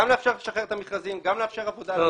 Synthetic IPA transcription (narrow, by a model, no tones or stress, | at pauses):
amleːfʃaʁleʃaχeʁet̪amiχʁazimɡamleafʃeʁavod̪a